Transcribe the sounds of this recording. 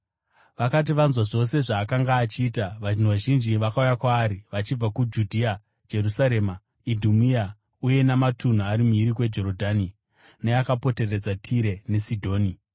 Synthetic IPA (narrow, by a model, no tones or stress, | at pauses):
ʋakat̬iʋanzwaʐo̞se̞ʐaːkaŋɡaːt͡ʃiːtaʋaʒinuʋaʒind͡ʒiʋakaujakwaːɾiʋat͡ʃib͡vakud͡ʒudʱia | d͡ʒe̞rusaɾe̞ːma | idʱumia | uje̞namatʰun̤uaɾimuiɾikwe̞d͡ʒo̞ɾodʱaːni | nejakapo̞te̞re̞d͡zatʰiɾe̞ne̞sidʱo̞ːni